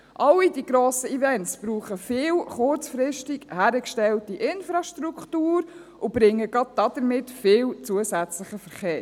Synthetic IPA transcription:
ʔɑwidiɡɾoːsəivɛntsb̥ɾuːχəfɪːlχʊɾt͡sfɾɪʃtikhæːɾəkʃtɛltiʔɪnfɾɑʃtɾukχtuːɾ | ʊb̥ɾɪŋːəɡɑd̚d̥ɑd̥əɾmɪtfɪːlt͡suəsæt͡sləχəfəɾχeːɾ

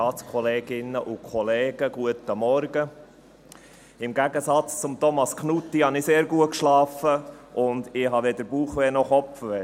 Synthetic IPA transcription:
ɑːt͡skʰɔleːɡ̥ɪnəʔʊkʰɔleːɡ̥əɡuətəmɔɾɡə | ɪmɡæɡəsɑt͡st͡sʊmt̪ɔmɑskʰnutːihɑnɪseːɾɡuət̚kʃlɑːfəʔʊnd̪ɪɦɑʋed̪əɾb̥uːχʋeːnɔχɔpfəʋɛ

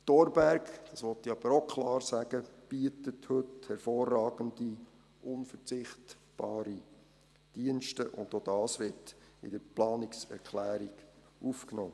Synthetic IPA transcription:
tɔɾbæɾkd̥ɑsʋɔtːiɑb̥əɾokʰlɑːɾsæɡ̥əb̥iətəthɵthɛɾfoːrːɑːɡ̥ənd̥i | ʔʊnfəɾt͡sɪχt | b̥ɑːɾi | d̥iənʃtəʔʊ̰ndod̥ɑːsʋɪɾtɪ̰d̥əɾplɑːnɪksɛ̰ɾkʰlæːɾiɡ̥ | ʔufknoː

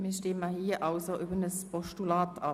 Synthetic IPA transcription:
miːɐʃteːmahiːɐʔaʊsoʔybənəspɔʃtulaːtɑ

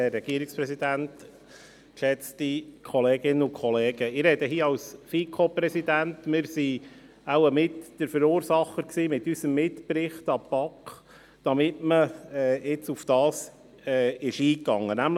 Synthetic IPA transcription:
ɛrːɛɡ̥iəɾɪkspɾɛsid̪ænt | kʃɛt͡stikʰɔleːɡɪnːəʊkχɔleːɡ̥əɪɾɛdəɦiːɑwsfikʰopɾɛsidæntmɪɾsi | aʊəmɪtd̥əɾfəɾuːɾsɑχːəɾksiːmɪt̪ːysəmːɪtpɾɪχtɑpɑkχ | d̥ɑmɪtməɛːɪt͡sufd̥ɑːs | ɛːɪʃiːkːɑŋːənæml

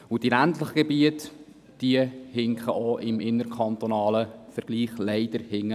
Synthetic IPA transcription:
ud̥iæntləχəɡ̥ebiət | d̥iəhɪŋkχəʔoʔɪmɪnːəɾkʰχɑnt̪onɑːləfəɾɡ̥liːχlɛɪd̥əɾhɪŋːə

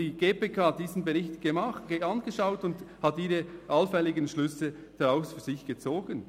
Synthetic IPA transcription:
iɡ̥eːpeːkʰaːht̚d̥iːzn̩beʁɪçtɡ̥emaɑnɡ̥əʃaʊtʊndhɑtiːʁəʔɑlfɛlɪɡənʃlʏsə | d̥ɑʁaʊsfyːɐz̥ɪçɡ̥ət͡soːɡ̥ən

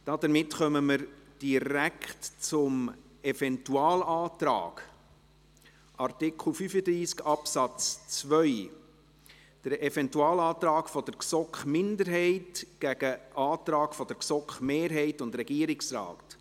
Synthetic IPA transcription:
d̥ɑːd̪əɾmɪtχœməməɾd̥iɾækχtt͡sʊm | ɛfɛntuɑːlɑːtɾɑ̰ːɡ̥ | ʔɑrtɪkʰl̩ˠfyfəd̪ɾiːskɑpsɑt͡st͡svœʏ | d̥əɾɛfɛntuɑːlɑːt̪ɾɑːkfɔd̪̥əɾksɔkχmɪndəɾɦɛɪtɡ̥æɡəʔɑːt̪ɾɑːkfɔd̥əɾksɔkχmeːɾɦɛɪtʊndɾɛɡ̥iəɾɪksrɑ̰ːt

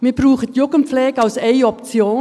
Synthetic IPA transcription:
miːɐb̥ruːχətjʊɡənp͡flɛːɡəaʊseɪɔpt͡sjoː

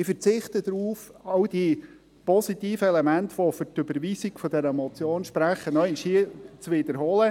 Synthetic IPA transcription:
ɪfəɾt͡sɪχt̪əd̪ɾuːfɑwd̥i | pɔsitiːfəɛlɛmæntʋɔfʏɾtʏbəɾʋiːsiɡfɔd̥̪ɛɾəmɔt͡sjoːnʃpɾæχənɔɪnʃiət͡sʋɪd̥̪əɾɦɔːlə

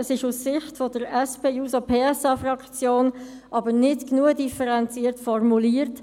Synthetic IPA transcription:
əsɪʃussɪχtfɔdəɾɛspeːjuːsɔpʰeːɛsɑːfrɑkt͡sjoːn | ʔɑbəɾnɪtknuədifəɾɛnt͡siəɾtfɔrmuliəɾt

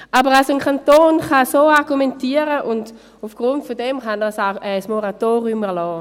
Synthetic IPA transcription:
ʔabəʁalsoənkʰantoːnχasoːaʁɡumɛntiːəʁəʔʊnd | ufɡ̥ʁʊntfodɛmχandasaʊɛsmoʁatoːʁiʊmɛɐlɔː

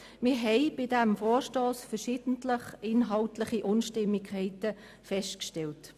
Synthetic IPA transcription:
mɪɾɦɛɪb̥ɪdɛmfoːɾʃtoːsfəʃiːd̥ən̩tləχɪnɦɑltlɪχiʔʊnʃtɪmːikhɛɪtə | fɛʃtkʃtɛlt

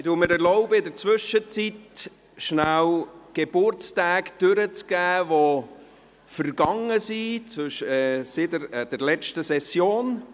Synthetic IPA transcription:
ɪtuməɾɛɾlɔʊbəɪdəɾt͡svʏʃət͡sit̪ | ʃnæwɡ̥ebʊɾt͡stæːkd̥øɾət͡sɡ̥æːvo | fərɡɑŋəsit͡sʃsɪdəd̥ɛɾlɛt͡ʃtəsɛsjoːn

